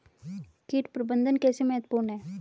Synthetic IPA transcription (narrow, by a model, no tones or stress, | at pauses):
kiːʈpɾəbənd̪ʱənkɛːsemɛːət̪puːɾnɦɛː